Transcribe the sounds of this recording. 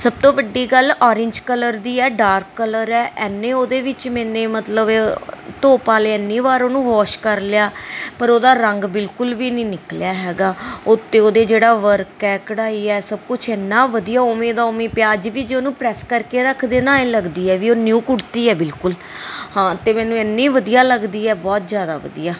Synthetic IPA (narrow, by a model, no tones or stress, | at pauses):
səb̚t̪õːbəɖːiːɡəlɔːɾɪɲd͡ʒkələɾd̪iːɛːɖaːɾkːələɾɛːʔɛːnːeːoːd̪eːʋɪt͡ʃmɛːneːmət̪ləbt̪oːpaːleːənːiːʋaːɾoːnũːʋɔːʃkəɾlɪjaːpəɾoːd̪aːɾəŋɡbɪlkʊlʋiːnĩːnɪkljaːɦɛːɡaːʊt̪ːeːoːd̪eːd͡ʒeːɽaːʋəɾkɛːkəɽaːiːɛːsəb̚kʊt͡ʃʰɛːnːãːʋəd̪ijaːoːmeːd̪aːoːmẽːpjaːəd͡ʒʋiːd͡ʒeːoːnũːpɾɛːskəɾkeːɾəkʰd̪eːnãːẽːləɡd̪iːɛːʋiːoːnjuːkʊɽt̪iːɛːbɪlkʊl | hãːt̪eːmɛ̃ːnũːɛːnːiːʋəd̪ijaːləɡd̪iːɛːbɔːt̪zjaːd̪a̰ːʋə̰d̪ḭjaː